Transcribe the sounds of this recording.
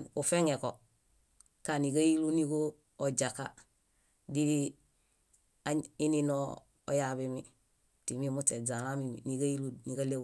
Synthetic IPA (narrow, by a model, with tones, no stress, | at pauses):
u˨fe˦ŋe˨ko | ka˨ni˨ka˦ji˦lu˦ni˦ko˦ | o˨ɟa˨ka | di˦ | ai˦ni˦no | o̰˨jabimi | ti˨mi˦mute˨d͡ʒa˨la˦mimḭ˨ni˨ɡa˦ji˦lu˦ni˨ka˦le˦